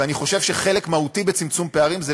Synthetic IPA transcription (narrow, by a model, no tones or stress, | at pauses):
aniχo̞ʃe̞vʃeχe̞le̞kmahutibe̞t͡simt͡sumpe̞aʁimze